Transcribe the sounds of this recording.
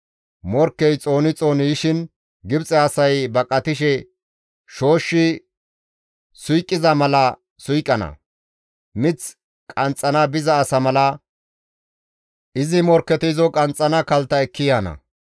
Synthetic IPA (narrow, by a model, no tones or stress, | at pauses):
mɔɾkːɛjt͡sʼo̞ːnɪt͡sʼo̞ːniʃɪn | ɡɪbt͡sʼɛɐsɐjbɐkʼɐt̪ɪʃ̬ɛ | ʃo̞ːʃːɪ | sʊjkʼːɪzɐmɐlɐ | sʊjkʼːɐnɐ̰ | mɪt͡s | kʼɐnt͡sʼːɐnɐbɪzɐːsɐmɐlɐ | ʔɪzɪmɔɾkːɛt̪ɪzɔkʼɐnt͡sʼːɐnɐkɐlt̪ːɐɛkːɪjaːnɐ̰